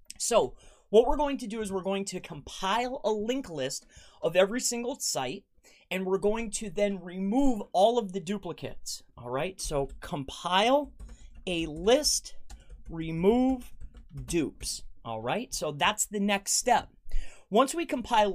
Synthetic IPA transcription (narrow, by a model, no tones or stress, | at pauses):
soʊwʌt̚wɪɹɡoʊɪ̃ŋtʰɨdɨɨzwəɹɡoʊɪ̃ŋtʰɨkʰə̃mpʰaɪlˠəlɪ̃ŋklɪstʔʌvɛvɹisɪ̃ŋɡl̩ˠsaɪɾ | ɨ̃nwɪɹɡoʊɪ̃ŋtʰɨðɨ̃nɹimuvɔlˠʌvðɨdʉpləkʰɨ̰tsʔɔ̰lˠɹaɪtsoʊkʰə̃mpʰaɪlˠɨlɪstɹimuvdʉpsʔɔ̰lˠɹaɪtsoʊðætsðɨnɛksttɛp̚wʌ̃nswikʰə̃m̩pʰaɪlˠ